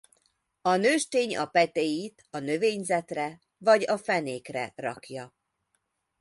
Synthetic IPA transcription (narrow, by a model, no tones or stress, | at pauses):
ɒnøːʃt̪eːɲɒpɛt̪eːjit̪ɒnø̞veːɲzɛt̪rɛ | vɒɟɒfɛneːkrɛ̰rɒkjɒ